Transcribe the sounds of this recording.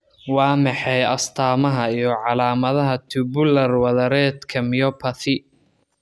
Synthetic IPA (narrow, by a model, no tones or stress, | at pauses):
wɑːmɑħɛjɐst̪ʰaːmɐɦɐijɞʕɑlaːmɐðɐɦɐt̪ʰubʊlɐrwɐðɐɾɛːd̪kʰɐmɪjɔpʰɐθɪ